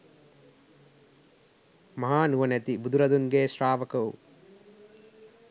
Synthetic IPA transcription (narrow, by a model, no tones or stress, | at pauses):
mɐɦaːnuʋɐnet̪ibud̪ʱuɾɐd̪uŋɡeːʃɾaːʋɐkɐwu